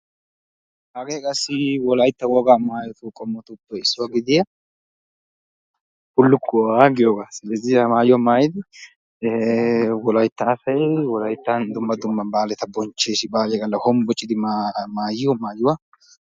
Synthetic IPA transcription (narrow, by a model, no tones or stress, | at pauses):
hɐɡeːkʼɐsːɪwɔlɐjt̪ːɐwɔɡamaːjɔt̪ʊkʼɔmːɔt̪ʊpːɛɪsːʊwaɡɪd̪ɪjɐ | hʊlːʊkʰːʊwaɡɪjoːɡasɪlɛzɪjɐmaːjʊwɐmaːjɪd̪ɪ | wɔlɐjt̪ːɐːfɐjwɔlɐjt̪ːɐnd̪ʊmːɐd̪ʊmːɐnbaːlɛt̪ɐbɔnt͡ʃːeːsɪbaːlɛɡɐlːɐhɔmbɔt͡ʃʼːɪd̪ɪmamaːjɪjɔmaːjʊwa